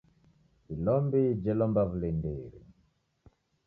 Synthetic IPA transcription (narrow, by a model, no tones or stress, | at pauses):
ilɔmbid͡ʒɛlɔmbavulindeːɾḭ